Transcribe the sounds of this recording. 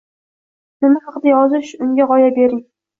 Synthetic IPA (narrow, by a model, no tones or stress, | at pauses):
nɪmahɑqd̪ajɒzɪʃʊŋɡʲaʁɒjabe̞ɾɪŋ